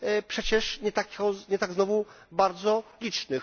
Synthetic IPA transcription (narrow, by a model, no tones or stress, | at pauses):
pʂɛt͡ɕɛʂɲɛt̪akʲɣɔɲɛt̪aɡznɔvu | baɾd̪zɔlʲit͡ʂnɘx